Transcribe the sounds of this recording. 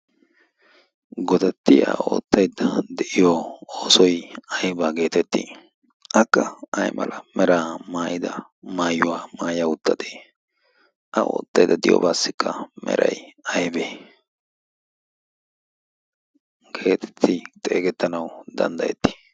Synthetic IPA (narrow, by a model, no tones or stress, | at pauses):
ɡɔd̪ɐt̪ːɪjɐ̰o̰ːt̪ːɐjd̪ːɐd̪ɛʔɪjoːoːsɔjɐjbaːɡe̞ːt̪ɛt̪ːḭ | ʔɐkːɐʔɐjmɐ̰lʔɐmɛɾaːmaːjɪd̪ɐ | maːjʊwaːmaːjaʊt̪ːɐd̪eː | ʔɐʔo̰ːt̪ːɐjd̪ɐd̪ɪjo̰ːbaːsːɪkʰːɐmʔɛ̰ɾɐ̰jɐjbeː | ɡʰe̞ːt̪ʰɛ̥t̪ʰːɪt̪ʼe̞ːɡɛt̪ːɐnɐwd̪ɐ̰nd̪ɐjɛ̰t̪ːɪi̥